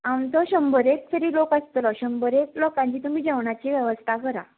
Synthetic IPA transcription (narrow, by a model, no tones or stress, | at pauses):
amt̪ɔɕəmbəɾek̚t̪ʰəɾiːlokəst̪lɔɕəmbəɾeklokãɲt͡ɕiːt̪umiːd͡ʑeʋɳat͡ɕiːʋjəʋəst̪ʰakəɾa